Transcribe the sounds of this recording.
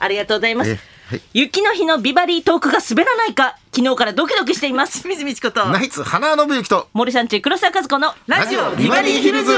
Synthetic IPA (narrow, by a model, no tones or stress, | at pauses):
aɾʲiɡat̪oːɡozaimasɨ̥ | jɯ̟kʲːino̞çino̞bʲibaɾʲiːt̪o̞ːkɯ̟ɡasɨbe̞ɾanaikakʲino̞ːkaɾad̪o̞k̬ʲid̪o̞k̬ɯ̟ɕi̥t̪eimasɨ̥mʲizɨmʲit͡ɕi̥ko̞t̪oːnait͡sɨhananobɯjikʲi̥t̪omo̞ɾʲɯs̬ãɲ̟t͡ɕikɯɾo̞sakazɨko̞noɾaʑiobiaɾʲiçiɾɯzɨ